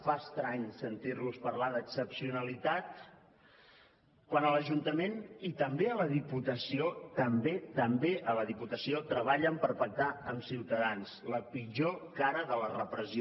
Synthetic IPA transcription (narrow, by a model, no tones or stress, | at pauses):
faəst̪ɾaɲsənt̪iɾluspəɾlaðəksəpsiunəlit̪at̪ | kwanələʒunt̪əmenit̪əmbeələðiput̪əsiot̪əmbet̪əmbeʔələðiput̪əsiot̪ɾəβ̞aʎəmpəɾpək̚t̪aəmsiwt̪əðansləpiʒokaɾəðələrəpɾəzi